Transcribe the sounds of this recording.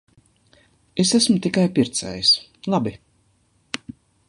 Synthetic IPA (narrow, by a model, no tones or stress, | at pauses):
esæsmʊt̪ikajpiɾt̪sæ̰ːjis | lˠabi